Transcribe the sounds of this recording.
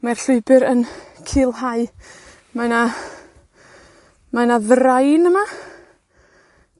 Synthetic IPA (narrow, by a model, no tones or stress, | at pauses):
marɬʊɨbɨɾənkʰiːlˠhaɨ | mana | manaðrajnəma